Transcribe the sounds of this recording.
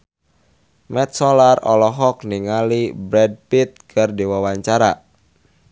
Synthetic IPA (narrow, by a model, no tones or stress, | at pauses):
mɛt̪̚sɔlarɔ̰lɔɦɔk̚niŋalibɾɛd̚pit̪̚kʰɨrdiwawaɲt͡ʃaɾa